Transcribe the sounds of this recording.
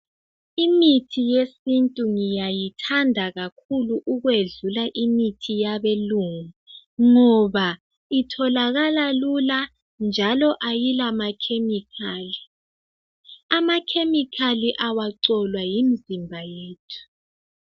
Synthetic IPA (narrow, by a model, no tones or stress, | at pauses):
imitʰijesintʼuŋijajitʰandʱaɣakʰuluʔuɣweɮulaʔimitʰijaβeluŋu | ŋɔβa | itʰɔlaɣalalula | nd͡ʒʱalɔʔajilamakʰemikʰaːli | amakʰemikʰaliʔawaǀɔlwajim̩zimbʱajeːtʰu̥